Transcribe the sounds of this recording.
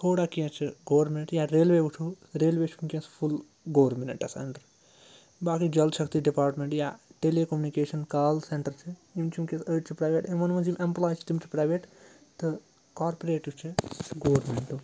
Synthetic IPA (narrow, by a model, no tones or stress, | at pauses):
t̪ʰoːɽaːkijɐ̃t͡ʃʰiɡoːʋɾmenʈjaɾeːlʋeːʋuʈʰu | ɾeːlʋeːt͡ʃʰumkiɐ̃spʰul | ɡoːɾmeneɳʈɐ̰sɐ̰ɳɖɐɾ | baːkid͡ʒɐlʃɐkʰt̪iɖipaːɾʈmeɳʈjaʈeleːkɐmjunikeːʃɐnkaːlseɳʈɐɾt͡ʃʰiimt͡ʃʰimkiɐ̃səːʈt͡ʃʰipɾaːjʋeʈinmɐnmɐ̃nzimʔemplaːjt͡ʃʰi̥t̪imt͡ʃʰi̥pɾaːjʋeːʈ | t̪ɨ | kaːɾpoɾeːʈiwt͡ʃʰɨɡoːʋɾmeɳʈu